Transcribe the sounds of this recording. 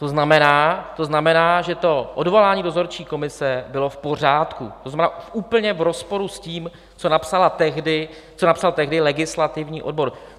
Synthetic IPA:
t̪oznamɛnaːt̪o̞znamɛnaːʒɛt̪o̞ʔodvo̞laːɲiːdo̞zo̞ɾt͡ʃiːko̞mɪsɛbɪlo̞fpo̞r̝aːt̪kṵt̪oznamɛnaːuːpl̩ɲɛvɾo̞spo̞ɾusciːm | t͡so̞napsalat̪ɛɣdɪ | t͡sonapsalt̪ɛɦdɪlɛɡɪslat̪ɪvɲiːʔo̞d̚bo̞ɾ

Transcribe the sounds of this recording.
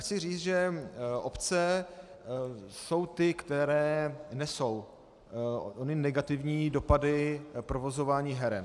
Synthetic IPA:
xt͡sɪriːt͡s̪ʒɛʔopt͡sɛ | so̞wt̪ɪkt̪ɛɾɛːnɛso̞w | ʔonɪnɛɡat̪ɪvɲiːdo̞padɪpɾovo̞zo̞vaːɲiːɦɛɾɛ̰n

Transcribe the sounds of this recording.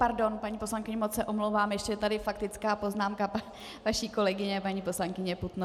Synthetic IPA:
paɾdo̞npaɲiːpo̞slaŋkɪɲɛmot͡ssɛʔo̞mlowvaːmjɛʃcɛt̪adɪfakt̪ɪt͡skaːpo̞znaːmkapa | vaʃiːko̞lɛɡɪɲɛpaɲiːpo̞slaŋkɪɲɛput̪no

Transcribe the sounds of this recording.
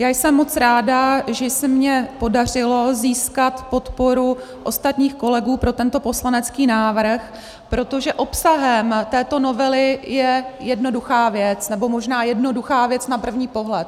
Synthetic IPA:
jaːjsɛmːo̞t͡sɾaːdaʒɛsɪmɲɛpo̞dar̝ɪlo̞ziːskat̪po̞t̪po̞ɾu | ʔo̞st̪at̪ɲiːxko̞lɛɡuːpɾo̞t̪ɛnt̪o̞po̞slanɛt͡skiːnaːvr̩x | pɾo̞t̪o̞ʒɛʔo̞psaɦɛmt̪ɛːt̪o̞no̞vɛlɪjɛjɛdno̞duxaːvjɛt͡snɛbo̞mo̞ʒnaːjɛdno̞duxaːvjɛt͡snapr̩vɲiːpo̞ɦlɛt̪

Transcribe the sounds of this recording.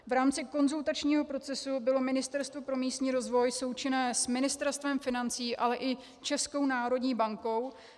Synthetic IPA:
vɾaːmt͡sɪko̞nzult̪at͡ʃɲiːɦo̞pɾo̞t͡sɛsubɪlo̞mɪnɪst̪ɛɾst̪vo̞pɾo̞miːst̪ɲiːɾo̞zvo̞jso̞wt͡ʃɪnɛːsmɪnɪst̪ɛɾst̪vɛmfɪnant͡siːʔalɛʔɪ | t͡ʃɛsko̞wnaːɾo̞dɲiːbaŋko̞w

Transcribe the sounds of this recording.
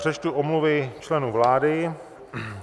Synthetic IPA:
r̥ɛt͡ʃt̪uʔomluvɪt͡ʃlɛnuvlaːdɪ

